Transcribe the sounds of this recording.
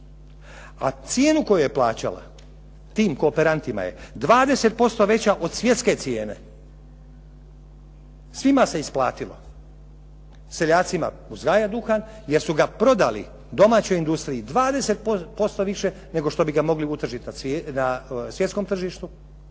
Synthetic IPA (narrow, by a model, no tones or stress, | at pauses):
a̰t̪sje̞ːnuko̞juje̞plˠaːt͡ɕa̰la̰ | t̪iːmko̞ːpeɾant̪ima̰je̞̰d̪ʋaːd̪e̞se̞t̪̚po̞st̪o̞ʋe̞t͡ɕaʔo̞d̪sʋje̞t̪ske̞t̪sje̞ːne̞̰ | sʋimase̞isplˠaːt̪ilo̞̰ | se̞ʎaːt̪sima̰ | uzɡaːjad̪uxan | jeɾsuɡapɾo̞d̪alḭ | d̪o̞maːt͡ɕo̞jind̪ust̪ɾiid̪ʋaːd̪e̞se̞t̪̚opo̞st̪o̞ʋiʃe̞ | ne̞ɡo̞ʃt̪o̞biɡamo̞ɡliut̪r̩ʒit̪nanasʋje̞t̪sko̞mt̪r̩ʒiʃt̪u